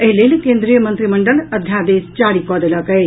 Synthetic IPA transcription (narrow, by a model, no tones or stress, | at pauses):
eɦlelkeːnd̪ɾijɐmɐnt̪ɾimɐɳɖɐlɐd̪ʱjaːd̪eːst͡ʃaːɽikɔːd̪ɐlɐkɐe